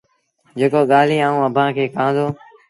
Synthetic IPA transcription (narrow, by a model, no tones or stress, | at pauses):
d͡ʒeːkoːɠaːl̤iːãːũːəbʱãːkʰeːkãːnd̪oː